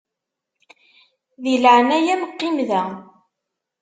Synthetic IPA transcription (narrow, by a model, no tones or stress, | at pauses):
ðilʕnæjæmqːɪmðæ